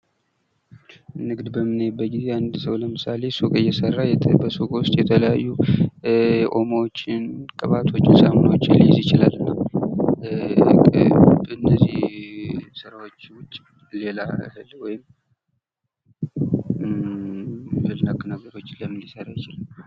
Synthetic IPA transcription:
nɨɡd̪bəmːɨnːejbːət̪̚ɡize̞and̪səwləmɨsale̞sukʼɨjɛsərːajbəsukʼwʊst̪ʼjɛt̪ʰələjajːu | ʔo̞mot͡ʃːɪnkʼɨβat̪ʰo̞t͡ʃːsamɨnwt͡ʃːlijzjɪt͡ʃɪlalːɨnːəw | kʼɨnːəzih | sɨɾawo̞t͡ʃːwʊt͡ʃʼː | le̞lahɨlwɔjɪm | hɨlnəkʼːɨnəɡəɾo̞t͡ʃːɪləmːɨnjɪsərajɪt͡ʃɪlam

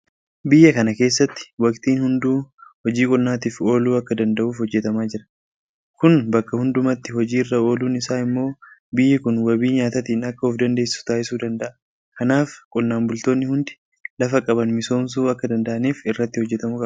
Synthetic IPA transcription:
bɪjːɐkɐnɐke̞ːs̬ːɐt̪ːɪ̥wɐkt̪iːnhʊnd̪uːhɔd͡ʒiːkʼʊlːaːt̪iːfo̞ːluːɐkːɐd̪ɐnd̪ɐʔuːfhɔd͡ʒːɛt̪ɐmaːd͡ʒɪɾɐ̥ | kʊnbɐkːɐhʊnd̪ʊmɐt̪ːɪhɔd͡ʒiːrːɐo̞ːluːnɪsaːɪmːo̞ːbɪjːɛkʊnwɐbiːɲaːt̪ɐt̪iːnɐkːɐɔfd̪ɐnd̪e̞ːsːɪ̥sʊ̥t̪aːʔɪsuːd̪ɐnd̪ɐʔɐ | kɐnaːfkʼʊlːaːnbʊlt̪o̞ːnːɪhʊnd̪ɪ̥ | lɐfɐkʼɐbɐnmɪso̞ːms̬uːɐkːɐd̪ɐnd̪ɐʔɐniːfɪrːɐt̪ːɪhɔd͡ʒːɛt̪ɐmʊkʼɐ

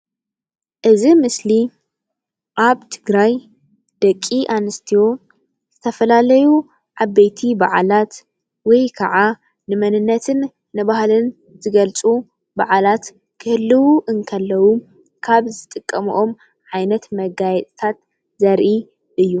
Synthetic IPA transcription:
ʔɨzimɨsli | ʔaβt̪ʰɨɡɾaj | d̪̥ɐkʼːiʔanɨst̪ʰijo̞ | z̥ɨt̪ʰɐfɐlalɐju | ʕabejt̪ʰibaʕalat̪ | wɔjkʰɐʕa | nɨmɐnɨnːɐt̪ʰɨnː | ɨβahlɨn | zɨɡɐlt͡sʼu | baʕalat̪ | kʰɨhɨlːɨwuʔɨŋkʰɐlːɐwu | kʰaβzɨt̪ʼɨkʼːɐmṵʔo̞m | ʕajnɐt̪mɐɡajɛt̪ʼt̪ʰat̪ | zɐɾʔi | ʔɨjːu

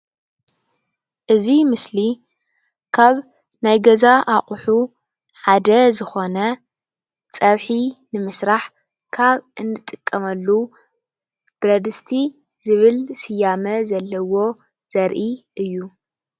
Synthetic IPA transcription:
ʔɨzimɨsli | kʰaβ | najɡɐzaʔaχʼħu | ħad̪ɐzɨxo̞nɐ | t͡sʼɐβħinɨmɨsɾaħ | kʰaβɨnːɨt̪ʼːɨkʼːɐmɐlːu | b̥ɾɐd̪ɨst̪ʰi | zɨβɨlsɨjamɐzɐlːɐwo̞ | z̥ɐɾʔiʔɨjːu

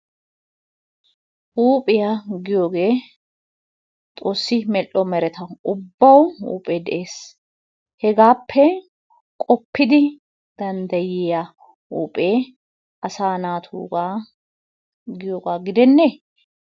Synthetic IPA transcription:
ʔuːpʼɪjaɡɪjo̞ːɡe̞ː | t̪ʼo̞ːsːɪmɛlːɔmɛɾɛt̪ɐʊbːɐwṵːpʼeːd̪ɛʔe̞ːs | hɛɡaːpʰːɛ | kʼɔpːɪd̪ɪ | d̪̥ɐnd̪ɐjɪja | uːpʼeː | ɐsaːnaːt̪ʰṵːɡaː | ɡɪjoːɡaːɡɪd̪ɛnːe

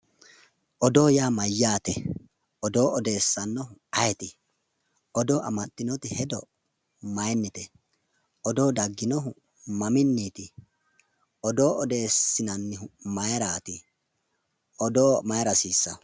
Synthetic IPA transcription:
ʔɔd̪o̞ːjaːmɐjːaːt̪ɛ | ɔd̪o̞ːɔd̪e̞ːsːɐnːɔhʊɐjɛt̪ɪ | ʔɔd̪oːʔɐ̰mɐt̪ːɪnɔt̪ɪhɛd̪ɔ | mɐjnːɪt̪ɛ | ɔd̪oːd̪ɐɡːɪnɔɦʊ | mɐmɪnːiːt̪ɪ | ɔd̪o̞ːɔd̪eːsːɪnɐnːɪʊmɐjɾaːt̪ɪ | ʔɔd̪oːmɐjɾɐsiːsːɐ

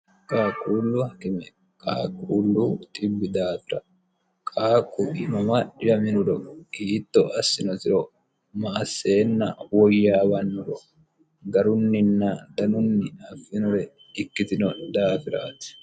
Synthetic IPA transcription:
kʼaːkʼuːlːʊhɐkɪmɛ | kʼa̰ːkʼːuːlːut̪ʼɪbːɪd̪aːfɪɾɐ̰ | kʼaːkʼːʊɪmɐmɐjɐmɪnʊɾɔiːt̪ːɔʔɐsːɪnɔt̪ɪɾɔ | mɐːsːe̞ːnːɐ̰wɔjːaːbɐnːʊɾɔ | ɡɐɾʊnːɪnːɐd̪ɐnʊnːɪɐfːɪnʊɾɛ | ɪkːɪt̪ɪnɔd̪aːfɪɾa̰ːt̪ɪ̥

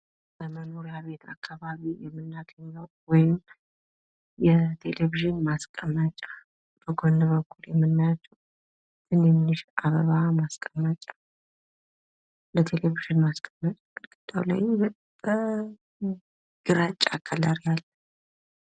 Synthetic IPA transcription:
bəmənoɾijaβe̞t̪ʰakːaβaβijɛmːɨnːat̪ʰəɲːəw | wɔjɪm | jɛt̪ʰe̞leviʒɪnmaskʼəmːət͡ʃʼḁ | bəɡonɨβəkʰːuljɛmːɨnːajat͡ʃːɛw | t̪ʰɨnɛmɨnɨʃʔaβəβamaskʼəmːat͡ʃʼḁ | lət̪ʰe̞leviʒɨnmaskʼəmːət͡ʃʼak̪kʼɨd̪ʼawla̰jb | ə | ɡ̥ɨɾat͡ʃʼːakʰːalaɾijalːə

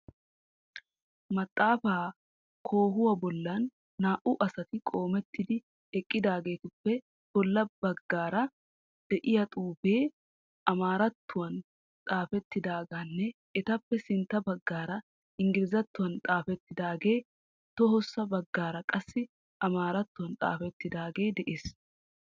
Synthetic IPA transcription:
mɐt̪ʼːaːfaː | kʰo̞ːɦʊwɐbɔlːɐnː | aːʔʊʔɐsɐt̪ɪkʼo̞ːmɛt̪ːɪd̪ɪ | ɛkʼːɪd̪aːɡe̞ːt̪ʊpːɛ | bɔlːɐbɐɡːaːɾɐ | d̪̥ɛʔɪjɐt̪ʼuːbeː | ɐmaːɾɐt̪ːʊwɐn | t̪ʼaːfɛt̪ːɪd̪aːɡanːɛ | ɛt̪ɐpːɛsɪnt̪ːɐbɐɡːaːɾɐ | ɪŋɡɪlɪzɐt̪ːʊwɐnt̪ʼaːfɛt̪ːɪd̪aːɡe̞ː | t̪ɔɦɔsːɐbɐɡːaːɾɐkʼɐsːɪ | ʔɐmaːɾɐt̪ːʊwɐnt̪ʼa̰ːfɛt̪ːɪd̪aːɡe̞ːd̪ɛʔeːs

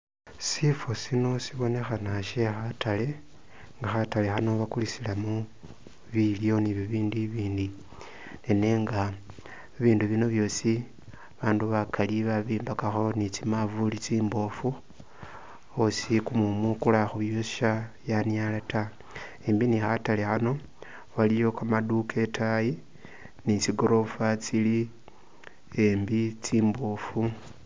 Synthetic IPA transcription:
sifo̞sino̞siβo̞ne̞xanaʃe̞xatale̞ | ŋɡaxatalexano̞βakulisilamu | βiljo̞niβiβiːndiβiːndi | nene̞ŋɡa | βiːnduβino̞βjo̞ːsi | βaːnduβakʰaliβaβiːmbakaxo̞nit͡simavulit͡siːmbo̞fu | osikumumukulaxuβjosʃajanjalata | embinixatalexano̞ | βalijo̞kamadukʰe̞tʰaji | nit͡siɡo̞ɾo̞fat͡sili | embit͡siːmbo̞fu

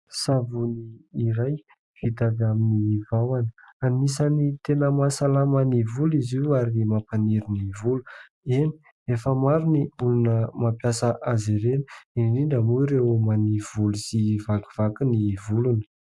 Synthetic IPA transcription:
savuniːɾaj | fit̪avaminivawanəanmisanit̪enəmasalamənivuliziaɾinimapaniɾinivulu | eni | efəmaɾiniulunəmapjasəʔazeɾeni̥inniɳɖ͡ʐamuiɾewomaniv̥ulusivaku̥v̥akinivulunə̥

